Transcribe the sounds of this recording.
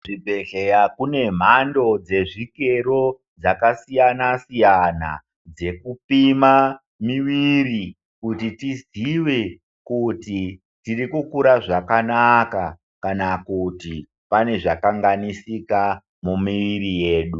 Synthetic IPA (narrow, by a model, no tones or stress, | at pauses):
ʐibʱe̞ɮejakune̞m̤ando̞d͡ze̞ʐike̞ɾo̞ | d͡zakasijanasijana̰ | d͡ze̞kupima | miʋiri | kutitiziʋe̞ | kuti | tirikukuɾaʐakanaka | kanakuti | pane̞ʐakaŋɡanisika | mumiʋiɾije̞ːɗu